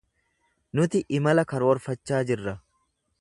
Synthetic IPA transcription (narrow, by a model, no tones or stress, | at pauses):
nʊt̪ɪʔɪmɐlɐkɐɾwɔɾfɐt͡ʃːaːd͡ʒɪrːɐ